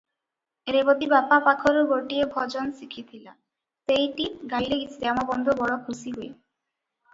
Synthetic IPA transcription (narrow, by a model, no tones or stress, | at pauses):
eɾebod̪ibapapakʰoɾoɡoʈiebʱɔd͡ʑɔnsikʰit̪ʰila | t̪ejʈiɡaileɡit͡ɕʰi̥t̪eamabɔnd̪ʱobɔɽokʰusiɦoe